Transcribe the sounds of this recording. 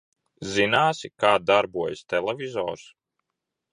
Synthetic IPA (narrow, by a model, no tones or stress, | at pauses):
zinaːsikaːd̪aɾbuɔjst̪ɛlɛvizɔ̰ːɾs